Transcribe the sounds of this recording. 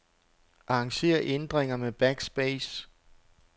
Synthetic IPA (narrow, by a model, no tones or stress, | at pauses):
ʔɑ̈ɑ̈ŋɕe̝̰ːɐʔend̥ʁeŋɐmeb̥æɡ̥sb̥eːs